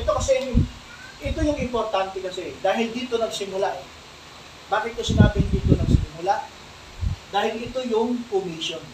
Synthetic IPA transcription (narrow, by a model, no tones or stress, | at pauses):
ʔʔɛt̪okɐsɛj | ʔɪt̪o̞jʊŋɪmpoɾt̪ant̪ɛkɐsɛd̪aːɦɪld̪iːt̪o̞nɐɡsɪmʊlaʔɛ | baːkɪt̪̚kosɪnaːbɪnd̪iːt̪onɐɡ̚sɪnɪmʊlaʔ | d̪aːhɪlʔɪt̪o̞jʊŋpʊmiʃon